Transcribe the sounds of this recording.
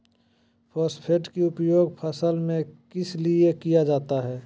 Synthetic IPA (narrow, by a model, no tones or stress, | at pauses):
pʰɔːspʰeʈkiʊpjoːɡpʰəsəlmẽkɪsliekijad͡ʒaːt̪aɦɛː